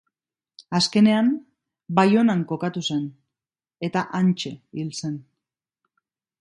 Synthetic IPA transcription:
aske̞ne̞am | bajo̞naŋko̞kat̪use̞n | e̞t̪aʔant͡ʃe̞ilse̞n

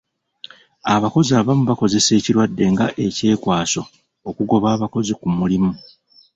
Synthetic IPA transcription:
aβako̞ziaːβamuβako̞ze̞se̞ːciɾwadːe̞ŋɡaʔe̞ce̞ːkwaːso̞ | okuɡo̞βaːβako̞zikumulimu

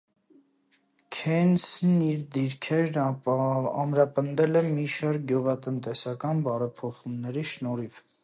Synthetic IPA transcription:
kʰɛnsniɾd̪iɾkʰɛɾn | ɑmɾɑpənd̪ɛlɛmiʃɑɾk̚ɡjuʁɑt̪ənt̪ɛsɑkɑnbɑɾɛpʰɔχumnɛɾiʃnɔɾiv

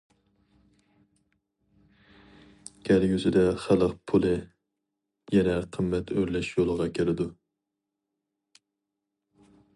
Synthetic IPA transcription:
ɡ̥ʲælɡʲyzɪd̪ɛχælˠəq̚pʰulˠɨ | jɛnɛqʰəmːɛt̪ʰøɾlɛʃjolˠəʁɑkʲʰeɾɪd̪u

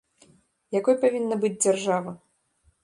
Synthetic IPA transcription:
jakɔjpavʲinːɐbɨd͡zʲd͡zʲarʐavɐ

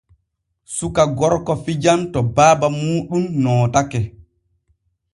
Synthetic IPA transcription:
sukaɡɔɾkɔfid͡ʒantɔbaːbamuːɗumnɔːtakɛ

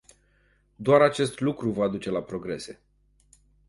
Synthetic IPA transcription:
d̪oaɾat͡ʃe̞st̪lukɾuvad̪ut͡ʃe̞lapɾo̞ɡɾe̞se̞

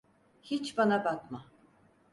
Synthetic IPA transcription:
hit͡ʃbanabak̪ma

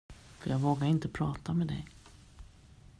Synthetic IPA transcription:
fœɾjɑːɡvoːɡaɾɪnt̪əpʰɾɑːt̪amɛd̪ɛ̰j

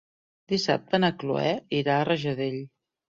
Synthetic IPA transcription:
d̪isa̰p̚t̪ənəklṵɛiɾaərəʒəðeʎ

